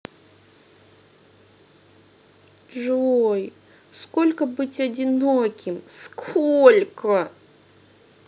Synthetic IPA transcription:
ʐoj | skolʲkəbɨtʲɐdʲɪnokʲɪmskʰolʲkə

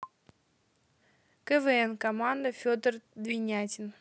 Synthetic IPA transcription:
kəvɛɛnkɐmand̪əfʲod̪ərd̪vʲɪnʲætʲɪn

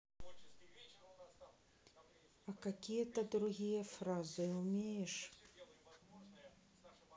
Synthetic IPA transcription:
ɐkakʲijət̪ɐd̪ɾʊɣʲijəfɾazɨʊmʲejɛʂ

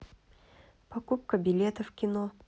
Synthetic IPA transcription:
pɐkup̚kəbʲɪlʲe̞t̪əfkʲɪno

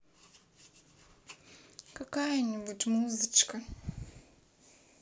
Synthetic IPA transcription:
kɐkajənʲibutʲmuzɨt͡ʃkə

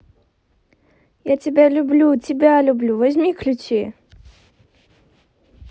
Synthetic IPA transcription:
jatʲɪbʲalʲʊblʲutʲɪbʲalʲʊblʲuvɐzʲmʲiklʲʊt͡ɕe

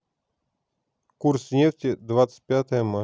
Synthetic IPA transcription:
kuɾsnʲeftʲɪd̪vat̪sə̥pʲat̪əjəma

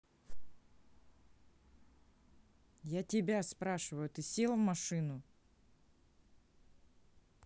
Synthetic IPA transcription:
jatʲɪbʲaspɾaʂɨvəjʊt̪ɨsʲelˠəmːɐʂɨnʊ

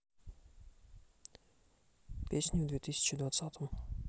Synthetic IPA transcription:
pʲesʲnʲivd̪vʲet̪ɨsʲɪ̥t͡ɕɪd̪vat̪sat̪ʰəm

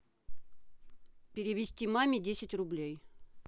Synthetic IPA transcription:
pʲɪɾʲɪvʲɪsʲtʲimamʲɪdʲesʲɪtʲrʊblʲej

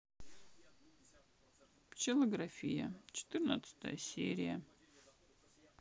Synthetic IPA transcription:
pt͡ɕɪlˠəɡrafʲijə̰t͡ɕɪ̥t̪ɨrnət̪sɨ̥t̪əjəsʲḛɾʲɪjə

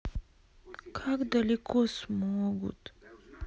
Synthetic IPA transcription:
kʰakd̪ɐlikʰosmoɡṵt̪

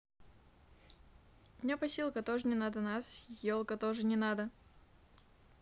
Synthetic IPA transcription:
mnʲapɐsʲilˠkət̪oʐɨnʲɪnad̪ənasjolˠkət̪oʐɨnʲɪnad̪ə

